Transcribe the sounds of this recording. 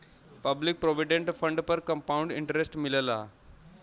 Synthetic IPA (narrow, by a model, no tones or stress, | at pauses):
pəblik̚pɾoʋiɖeɳʈfəɳɖpəɾkəmpauɳɖiɳʈəɾesʈmiləla̰